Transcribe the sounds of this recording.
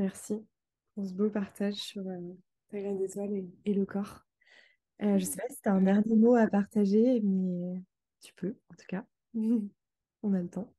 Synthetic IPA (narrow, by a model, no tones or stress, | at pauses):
mɛʁsi | ɔ̃s̬əbopaʁt̪aʒsyʁø | t̪aɡʁãd̪et̪waleːləkʰɔʁ | øʒəsepasi̥t̪yɛ̃d̪ɛʁnjemoapaʁt̪aʒemɛ | t̪ʰy̥pʰøɑ̃t̪u̥ka | ɔ̃nalət̪ɑ̃